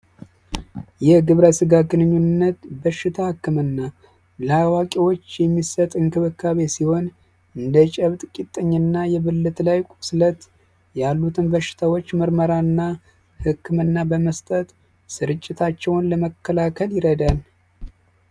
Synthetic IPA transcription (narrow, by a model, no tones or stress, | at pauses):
jɛɡɨβɾəsɨɡaɡɨnɨɲːunnːət̪bəʃːɪt̪ʰahɨkːɨmɨnːa | lawakʼewo̞t͡ʃːjɛmːisət̪ʼɨŋkʰɨβɨkːaβe̞siho̞n | ɨnd̪ət͡ʃʼəβt̪ʼkʼit̪ʼːəɲːɨnːajɛβɨlːɨt̪lajkʷʼuslət̪ | jalːut̪ʰɨnbəʃːɪ̥t̪ʰawo̞t͡ʃːməɾməɾaɨnːa | hɨkʰːɨmɨnːabəməst̪ʼət̪ | sɨɾɨt͡ʃʼːɪt̪ʰat͡ʃːɛwnləməkʰːəlakʰəljɪɾəd̪al